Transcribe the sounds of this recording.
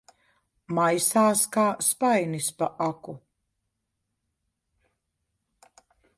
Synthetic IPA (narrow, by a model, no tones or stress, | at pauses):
majsaːskaːspajnispaʔaku